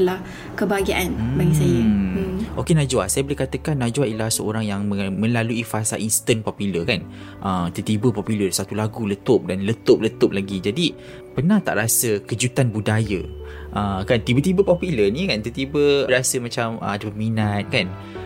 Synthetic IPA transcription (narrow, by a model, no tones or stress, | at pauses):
lah | kəbaɡiaʔan̩baɡisaja | ʔokenad͡ʒuasajabolekat̪əkanːad͡ʒuaʔilahsəoɾaŋjaŋməmə̃laluifasa̰ʔinst̪ənpɔpiləkan | ʔəmt̪ət̪ibəpɔpulərsat̪ulaɡulət̪ʊp̚danlət̪op̚lət̪ʊp̚laɡid͡ʒadi | pənaht̪a̰ʔɾasəkəd͡ʒut̪anbudajəʔəkant̪ibət̪ibəpɔpilənĩkant̪ət̪ibəɾasəmãt͡ʃamə̰adəpəminat̪̚kan